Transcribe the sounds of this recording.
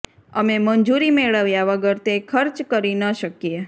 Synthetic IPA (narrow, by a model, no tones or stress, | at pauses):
əmemənd͡ʒuɾimeɭəʋjaʋəɡəɾt̪ekʰəɾt͡ʃkəɾinəʃəkije